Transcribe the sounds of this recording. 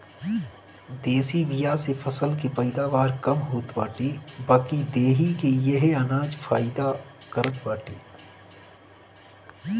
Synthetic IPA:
d̪eːsiʋijasefʰɐsəlkepɐɪd̪aːʋaːɾkɐmɦoːt̪baːʈibaːkid̪eːɦikejeɦeɐnaːd͡ʒfʰaːɪd̪a | kəɾət̪baːʈiː

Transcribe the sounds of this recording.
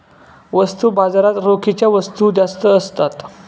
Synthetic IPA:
ʋəst̪uːbad͡zaɾat̪ɾokʰit͡ɕjaʋəst̪ud͡ʑast̪əːst̪at̪

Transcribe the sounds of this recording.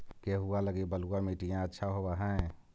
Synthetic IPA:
keɦualəɡibəluameʈijãətːʃʰaɦobaɦɛ̃

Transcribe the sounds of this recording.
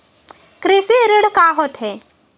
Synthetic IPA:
kɾeːseɾəɽkaːɦɔt̪ɦɛː

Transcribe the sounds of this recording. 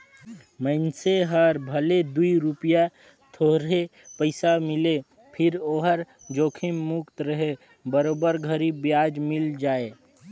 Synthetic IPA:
məɪnseɦəɾbʱəled̪uiɾupija | t̪ʰoɦɾepəɪsamɪle | pʰɪɾoːɦəɾ | d͡ʒoːkʰimːʊkt̪ɾəɦe | bəɾoːbəɾɡʱəɾibjaːd͡ʒmɪld͡ʒaːeː

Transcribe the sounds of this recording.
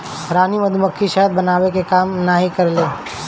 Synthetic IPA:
ɾaːnimɐd̪ʱumɐkʰːiʃəɦəd̪̚bɐnaːʋekekaːmnaɦikɐɾleː

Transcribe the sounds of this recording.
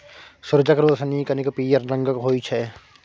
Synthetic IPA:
sʊɾd͡ʒəkɾosɐniːkɐnikpiːjəɾnɐ̃ŋɡəkɦoːit͡ʃʰɛ

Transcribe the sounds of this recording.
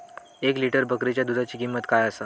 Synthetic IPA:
ekliʈəɾbʱəkɾit͡ɕjad̪ud̪ʱat͡ɕiːkimːət̪kajəsa

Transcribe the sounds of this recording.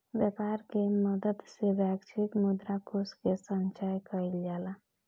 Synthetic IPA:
bɛpaɾkeməd̪əd̪sebakt͡ʃʰikmud̪ɾakoskesənt͡ʃajkəild͡ʒala

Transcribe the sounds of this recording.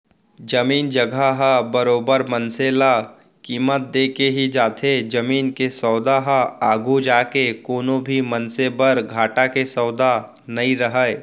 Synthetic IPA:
d͡ʒɐmiːnd͡ʒɐɡʱaɦabɐɾoːbəɾmənsela | kiːmət̪̚d̪eːkeɦid͡ʒaːt̪ʰed͡ʒɐmiːnkesɔːd̪aɦaaːɡʱud͡ʒaːkekoːnõbʱimɐnsebəɾɡʱaːʈakesɔːʊd̪a | nɐĩɾəɦəe

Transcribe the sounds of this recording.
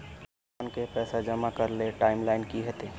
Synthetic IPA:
aːnkepɛːsad͡ʒɐmakɐɾleʈaːɪmlaːɪnkiɦɛt̪eː

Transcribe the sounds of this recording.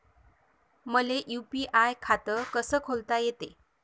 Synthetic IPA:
məleʔjupiʔajkʰat̪əkəsəːkʰolt̪ajet̪e

